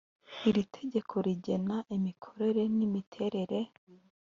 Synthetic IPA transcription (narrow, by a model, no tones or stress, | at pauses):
iɾitʰe̞ɟe̞kʰo̞ɾiɟe̞naʔimikʰo̞ɾe̞ɾe̞nimitʰe̞ɾe̞ɾe̞